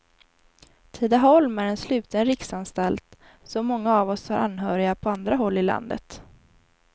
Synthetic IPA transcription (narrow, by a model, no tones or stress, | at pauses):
t̪ʰɪd̪aɦɔlmæɾɛnslʉ̟ːt̪ʰənɾɪksanst̪alt̪ | sɔmːɔŋːaːvɔshaɾʔa̰nːɦœːɾɪapʰɔand̪ɾaɦɔlːɪla̰nd̪ə̰t̪